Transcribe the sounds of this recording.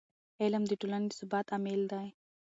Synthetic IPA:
eləmd̪əʈoland̪isʊbat̪ameld̪aj

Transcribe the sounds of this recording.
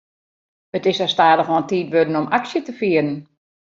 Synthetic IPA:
ətɪsastaːdəxɔntiːtʋødənɔmaksjətəfiəɾən̩

